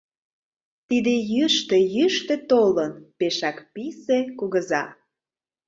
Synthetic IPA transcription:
t̪id̪ejyʃt̪ejyʃt̪ĕt̪olənpeʃɑkpisekuɣəzɑ

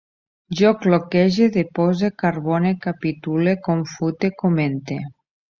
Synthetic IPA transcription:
ʒoklokɛʒeðepozekaɾβɔnekapit̪ulekoɱfut̪ekoment̪e

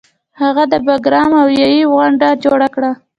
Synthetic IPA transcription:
haɣad̪əbaɡɾɑmawjɑjiɣaɳɖad͡ʒoɽakɽa

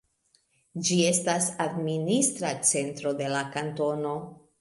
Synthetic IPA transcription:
d͡ʒie̞stasadministɾat͡se̞ntɾo̞de̞lakanto̞no̞

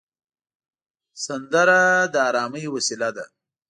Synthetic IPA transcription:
sand̪əɾad̪əɑːɾɑːməjwasilad̪a̰

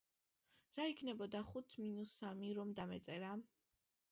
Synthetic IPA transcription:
ɾaikʰnɛbɔd̪aχut̪ʰminusamiɾɔmd̪amɛt̪sʼɛɾa

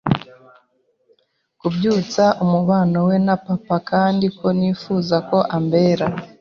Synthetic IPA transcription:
kubjuːt͡saʔumuβaːnowe̞napapakaːndikʰo̞niːfuːzako̞ʔambe̞ːɾa

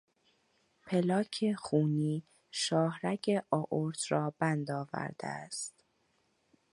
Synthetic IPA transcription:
pʰelɒːcʰexuːniː | ʃɒːhɾæcʰeʔɒːʔoɾt̪ʰɾɒːbænd̪ɒːvæ̰ɾd̪̥ḛæst̪

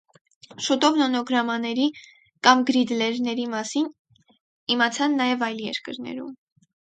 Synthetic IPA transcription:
ʃut̪ɔvnɔnɔɡɾɑmɑnɛɾi | kɑmɡɾid̪lɛɾnɛɾimɑsin | imɑt͡sʰɑnːɑjɛvɑjljɛ̰ɾkəɾnɛ̰ɾṵm

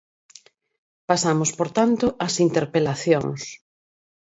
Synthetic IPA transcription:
pasamospoɾt̪ant̪ʊʔɐsint̪eɾpelaθjo̰ŋs

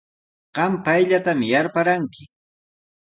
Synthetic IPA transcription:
ɢ̥ɑmpajʎat̪amjaɾpaɾaŋkɪ

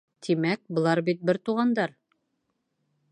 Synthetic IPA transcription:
t̪ʰimæk̚bŏlˠɑɾbit̪̚bɘɾt̪uʁɑnd̪ɑɾ

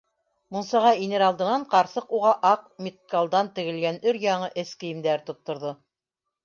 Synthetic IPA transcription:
mŭnsɑʁɑinɘɾɑlˠd̪ɤ̆nɑɴqɑɾsɤquʁɑʔɑq̚mʲit̪̚kalˠd̪ɑnt̪ɘ̆ɡɘ̆lɡænɵɾjɑɴɤʔɘ̆skɘ̆jimd̪æɾt̪ŏt̪ːŏɾðo

